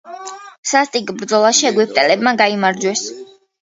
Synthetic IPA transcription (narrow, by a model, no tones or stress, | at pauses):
sast̪ʼikʼbɾd̪zɔlˠaʃiɛɡwipʰt̪ʼɛlɛbmaɡaimaɾd͡ʒwɛs